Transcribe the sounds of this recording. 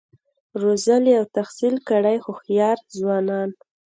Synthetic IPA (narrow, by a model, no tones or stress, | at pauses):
ɾozəliawt̪axsilkəɽajxoxjɑɾzwɑnɑn